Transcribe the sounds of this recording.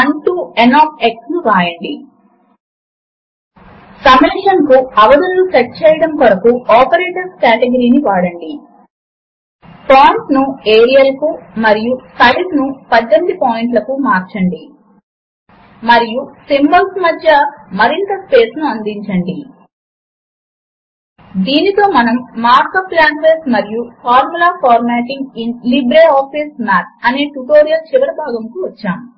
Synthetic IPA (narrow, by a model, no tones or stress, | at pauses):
ɐɳʈuenaːpʰeksnuɾaːjɐɳɖi | sɐmeʃɐnkuɐʋɐd̪ɐnlut͡ʃɐʈ̚ːt͡ʃeːjɐɽɐmkoɾɐkuɔːpɐɾeːʈɐɾskaːʈeɡɐɾiːniʋaːɽɐɳɖi | paːɳʈnueːɾijɐlɐkumɐɾijusɐlisnupɐd̪ːemid̪ipoːjiɳʈlɐkumaːɾt͡ʃɐɳɖi | mɐɾijusimbɐlsmɐd̪ʱjɐmɐɾint̪ɐspe̞ːsnuɐnd̪iɲt͡ʃɐɳɖi | d̪iːnit̪o̞ːmɐnɐmːaːɾkɐplaːɳʈʋeːsmɐɾijupʰaːɾmulaːpaːɾmeːʈiŋɡinlibɾeːaːpʰiːsmaːɾɐneːʈuʈoːɾijɐlt͡ʃiʋɐɾɐbʱaːɡɐmkuʋɐt͡ʃːaːm